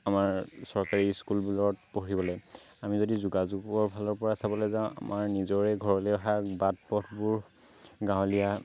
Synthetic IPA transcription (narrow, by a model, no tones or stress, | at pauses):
amaɹsɔɹkaɹiskulbulɔt̚poɹibɔlɔj | amizodizuɡazuɡɔɹbʱalɔɹpɔɹasabɔlɔzãʊ̃a̰mʔaɹnizɔɹɛɡʱɔɹɔlɛɔɦabat̚pɔtʰbuɹ | ɡãɦɔlija